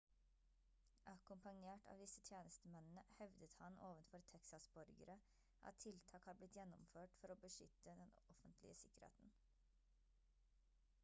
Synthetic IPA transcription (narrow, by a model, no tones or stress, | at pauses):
ʔɑkʊmpɑŋeːʈʰɑ̰ːʋd̪ɪsət̪ʰjeːnəst̪əmɛnn̩əhœʋd̪ət̪hɑnʔoːʋənfɔɾt̪ʰɛksɑsbɔɾɡə̰ɾə | ʔɑ̰t̪ʰːɪlt̪ʰɑːkhɑːɾblɪt̪jɛnːɔmføːʈfɔɾoːbəʂʏt̪ːəd̪ɛnɔfənt̪ʰlɪ̰əsɪkəɾhḛːt̪n̩